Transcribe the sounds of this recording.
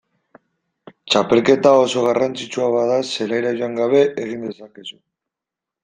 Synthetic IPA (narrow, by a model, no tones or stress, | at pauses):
t͡ʃape̞lke̞t̪ao̞so̞ɣ̞arant͡sit͡suaβaðase̞lajɾaʝoaŋɡaβe̞ʔeɣ̞ind̪e̞sake̞su